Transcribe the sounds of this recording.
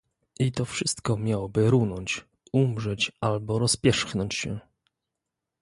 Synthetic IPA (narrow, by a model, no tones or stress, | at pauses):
ʔit̪ɔfʂɘst̪kɔmʲjawɔbɘɾunɔɲt͡ɕ | umʐɛt͡ɕalbɔɾɔspʲjɛʂxnɔɲt͡ɕɕɛ